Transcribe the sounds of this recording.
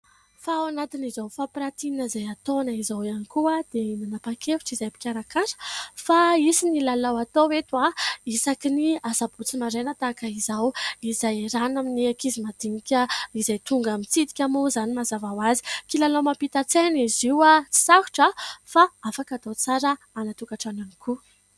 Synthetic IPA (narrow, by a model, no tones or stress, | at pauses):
fawanat̪inizawfapɾat̪iinəzajat̪onaizawanikuad̪̥enanapakefu̥ʈ͡ʂizajpi̥kʲaɾakaɾə̥faisinilalawat̪owet̪uaisakiniasabut͡simaɾenət̪akəizawizajɾanaminiakizimad̪iɲikʲəizajt̪uŋɡamit͡sid̪i̥kʲamuzanimazavawazi̥kilalawmapit̪at͡seniziwat͡si̥saɦu̥ʈ͡ʂəfaafakat̪at͡saɾə | anat̪ukaʈ͡ʂananiku